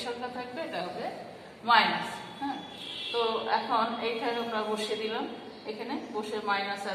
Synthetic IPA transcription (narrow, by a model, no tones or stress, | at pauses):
ʃɔkkat̪ʰak̚bed̪aɦobe | majnashɛ̃ | t̪oɛ̰kʰonejʈʰaamɾaboʃed̪ilam | ekʰaneboʃeɾmajnasa